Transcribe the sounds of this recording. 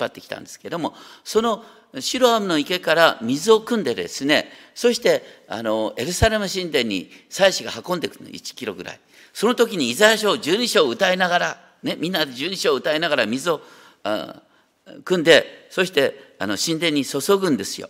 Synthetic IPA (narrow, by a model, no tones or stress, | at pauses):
pːat̪ːe̞kʲi̥t̪ã̰nd̪e̞ske̞d̪o̞mo̞so̞no̞ | ɕiɾohamɯ̟no̞ike̞kaɾamʲizɨo̞kɯ̟̃nd̪e̞d̪e̞̰sɨne̞so̞ɕi̥t̪e̞a̰no̞e̞ɾɯ̟saɾe̞mɯ̟ɕĩnd̪ẽ̞ɲ̟ːḭsaiɕiɡahakõ̞nd̪e̞kɯ̟no̰ḭt͡ɕi̥kʲiɾo̞ɡɯ̟ɾa̰i | so̞not̪o̞kʲiɲ̟iːzajaɕoːd͡ʑɨːɲ̟iɕo̞ːɯ̟t̪aenaɡaɾa | ne̞mʲĩnːad̪e̞d͡ʑɨːɲ̟iɕo̞ːɯ̟t̪aenaɡaɾamʲizɨo̞̰ | kɯ̟̃nd̪e̞so̞ɕi̥t̪e̞ano̞ɕĩnd̪ẽ̞ɲ̟ːiso̞so̞ɡɯ̟̃nd̪e̞sɨjo̰